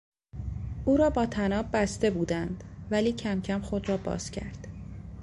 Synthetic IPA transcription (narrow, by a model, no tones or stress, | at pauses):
ʔuːɾɒːbɒːt̪ʰænɒːbbːæst̪e̞buːd̪ænd̪̥væliːcʰæmcʰæmxo̞d̪ɾɒːbɒ̰ːz̥cʰæ̰ɾd̪̥